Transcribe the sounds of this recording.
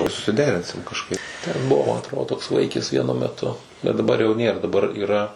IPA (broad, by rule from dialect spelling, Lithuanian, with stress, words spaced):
sʊsʲɪˈdʲæːrʲɪnʲsʲɪm kɐʃˈkɐɪp tʲɛn ˈbʊʋoː mɐ ɐtˈroːdoː toːks ˈʋɐɪkʲɪs ˈʋʲiɛnʊ mʲɛˈtʊ bʲɛt dɐˈbɐr jɛʊ ˈnʲeːr dɐˈbɐr iːˈrɐ